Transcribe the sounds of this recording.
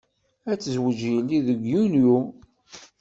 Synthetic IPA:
æt͡sːəzwəd͡ʒjəlːiðəɡjunju

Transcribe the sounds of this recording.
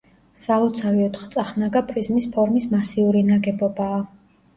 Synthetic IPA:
salˠɔt̪sʰaviɔt̪ʰʼχt̪sʼaχnaɡapʼɾizmispʰɔɾmismasiuɾinaɡɛbɔbaː

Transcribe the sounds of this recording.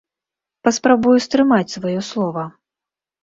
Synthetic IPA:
pɐspɾabujust̪ɾɨmat͡sʲsvajɔslˠɔvɐ

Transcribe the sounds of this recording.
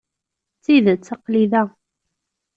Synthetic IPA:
t͡sːiðt͡sːɑqliðæ

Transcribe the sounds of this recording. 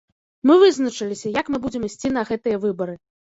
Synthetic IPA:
mɨvɨznɐt͡ʂɨlʲisʲɐjɐkmɨbud͡zʲɛmisʲt͡sʲin̪ɐɣɛt̪ɨjɐvɨbɐɾɨ

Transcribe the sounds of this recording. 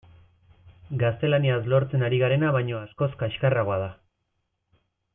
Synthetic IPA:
ɡast̪e̞laniaslo̞ɾt͡se̞naɾiɣaɾe̞naβ̞ajɲo̞asko̞skaeʃkaraɣoað̞a

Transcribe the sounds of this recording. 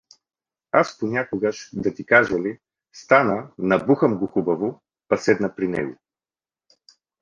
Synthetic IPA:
asponʲakoɡəʃd̪ɐt̪ikaʒɐli | st̪anənɐbuxəmɡoxubɐvo | pɐsɛd̪nɐpɾinɛ̰ɡo̰

